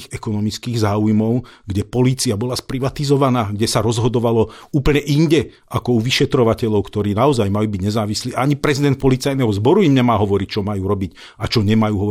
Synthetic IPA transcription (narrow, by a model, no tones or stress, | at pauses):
ɣɛkɔnɔmit͡skiːɣzaːujmɔʊɡɟɛpɔliːt͡siabɔlaspɾiʋat̪izɔʋanaːɡɟɛsaɾɔzɦɔd̪ɔʋalɔuːpl̩ɲɛʔinɟɛ | akɔuʋiʃɛt̪ɾɔʋacɛʎɔʊkt̪ɔɾiːnaɔzajmajuːbiɟɲɛzaːʋisliːʔaaɲipɾɛzid̪ɛnt̪̚pɔlit͡sajnɛːɦɔzbɔɾuimɲɛmaːɦɔʋɔɾic̚t͡ʃɔmajuːɾɔbic | at͡ʃɔɲɛmajuːɦɔ